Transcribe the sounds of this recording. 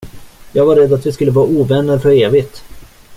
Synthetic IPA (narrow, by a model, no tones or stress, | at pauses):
jɑːɡvaɾːɛd̪ːat̪vɪskɵlːəvɑːɾauːvɛnːəɾfœɾeːvɪt̪